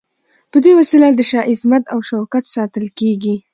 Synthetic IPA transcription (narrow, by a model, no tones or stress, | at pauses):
pəd̪ewasilad̪əʃɑʔɪsmat̪awʃawkat̪sɑt̪əlkeɡi